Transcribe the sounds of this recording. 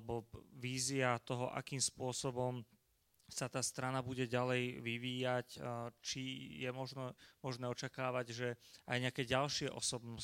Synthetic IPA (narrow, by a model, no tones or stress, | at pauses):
bɔʋiːziat̪ɔɦɔʔa̰kiːmspʊɔsɔbɔm | sat̪aːst̪ɾanabuɟɛɟalɛjʋiʋiːjact͡ʃijɛmɔʒnɛmɔʒnɛːɔt͡ʃakaːʋaɟʒɛajɲɪakɛːɟalʃɪɛʔɔsɔbnɔ